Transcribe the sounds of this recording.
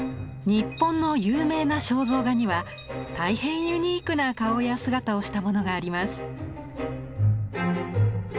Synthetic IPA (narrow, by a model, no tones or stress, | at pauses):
ɲ̟ipːõ̞nːo̞jɯ̟ːme̞ːnaɕo̞ːzo̞ːɡaɲ̟iβa | t̪aihẽ̞ɰ̃jɯ̟ɲ̟iːkɯ̟nakao̞jasɨɡat̪ao̞ɕi̥t̪amo̞no̞ɡaːɾʲimasɨ̥